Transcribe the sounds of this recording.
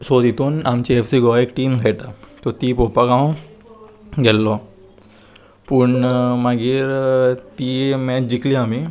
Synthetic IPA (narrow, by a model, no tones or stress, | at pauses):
sod̪ʱit̪uːnamt͡ɕiefsiɡɔekʈiːmɡʱɛʈat̪ɔt̪iːpopaɡaw̃ | ɡɛlːɔ | puɳmaɡiːɾt̪imɛt͡ɕd͡ʑikliami